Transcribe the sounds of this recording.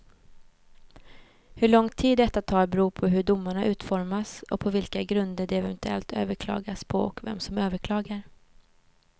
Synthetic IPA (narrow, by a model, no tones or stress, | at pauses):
hɵɭɔŋt̪ʰiːd̪ːɛt̪ːat̪ʰɑːɾbɛɾuːpʰɔɦɵɖʊmːaɳaʔʉ̟ːt̪fɔɾmasɔk̚pʰɔvɪlkaɡɾɵnd̪əɖɛɛvɛnt̪ɵɛ̰lt̪ʰø̰ːvəɾkʰlɑ̰ːɡaspʰɔɔkvɛ̰msɔmøːvəɾkʰlɑːɡaɾ